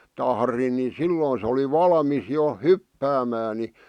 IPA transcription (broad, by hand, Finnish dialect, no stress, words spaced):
tɑhrin ni silːoːn se oli ʋɑlmis jo hypːæːmæː ni